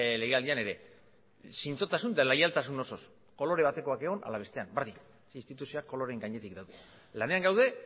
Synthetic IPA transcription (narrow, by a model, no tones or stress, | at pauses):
le̞ɣe̞ald̪iane̞ɾe̞ | sint͡so̞t̪asund̪elajalt̪asuno̞so̞s | ko̞lo̞ɾe̞β̞at̪e̞ko̞akeɣ̞o̞na̰laβ̞e̞st̪e̞ambaɾði | sinst̪it̪usio̞akːo̞lo̞ɾe̞ŋɡaɲe̞t̪ik̚d̪awðe | lane̞aŋɡawðe̞